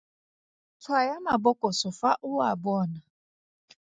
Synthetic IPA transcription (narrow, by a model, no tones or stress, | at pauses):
t͡sʰwajamabɔkʼɔsɔfaʔuwabɔːna